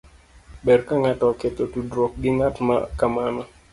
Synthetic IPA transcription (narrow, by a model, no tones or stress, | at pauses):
bɛrkaŋatɔket̪otudɾok̚ɡɪŋatma̰kamana